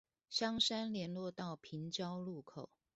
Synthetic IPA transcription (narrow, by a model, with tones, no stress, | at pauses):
ɕjɑ˥ŋʂa˥nljɛ˧˥nlwɔ˥˧t̪ɑ˥˩ʊpʰi˧˥nt͡ɕjɑ˦ʊlu˥˩kʰo˨˩ʊ